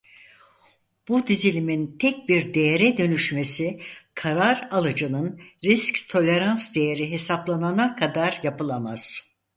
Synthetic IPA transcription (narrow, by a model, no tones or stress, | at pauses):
b̥ud̪izilʲimint̪ʰɛc̚biɾd̪e̞jeɾɛd̪ø̞nyʃme̞sikʰaɾaɾalˠɯd͡ʒɯnɯnɾisct̪ʰo̞lʲe̞ɾansd̪e̞jeɾiɦe̞saplˠananakʰad̪aɾjapɯlˠamaz̥